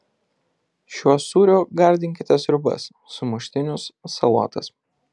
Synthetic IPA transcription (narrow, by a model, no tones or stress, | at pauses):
ʃʲuɔsuːɾʲoːɡɐɾʲd̪ʲɪŋʲkʲɪt̪ʲɛsɾʲʊbɐ̰sːʊmʊʃʲt̪ʲɪnʲʊssɐlˠɔ̰ːt̪ɐs